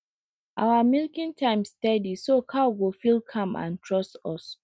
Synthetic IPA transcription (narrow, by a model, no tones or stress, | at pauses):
ʔawamilkĩntʰãɪ̃mstɛdisokʰawɡofilkʰãmʔã̰ntʰɹɔstɔs